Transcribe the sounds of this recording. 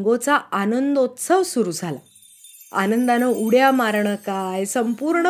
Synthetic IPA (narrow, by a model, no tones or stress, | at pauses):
ŋɡot͡saanənd̪ot̪səʋsuɾuːd͡zʱala | a̰nənd̪anəuɽjamaɾɳəkajsəmpuːɾɳə